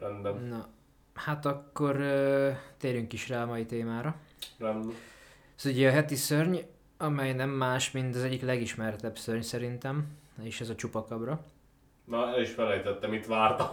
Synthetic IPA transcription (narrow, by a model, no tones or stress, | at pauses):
rɛnb̪ɛnnɒ | hat̪ɒkːo̞r | t̪eːɾyŋkiʃraːɒmɒjit̪eːmaːɾɒrɛndɛ | suɟɛɒɦɛt̪isørɲ | ɒmɛjnɛmːaːʃmint̪ɒzɛɟːiklɛɡiʃmɛrt̪ɛbsørɲsɛɾint̪ɛmeːʃɛzɒt͡ʃupɒkɒbrɒ | nɒɛiʃfɛlɛjt̪ɛt̪ːɛmit̪ʋaːrt̪ɒ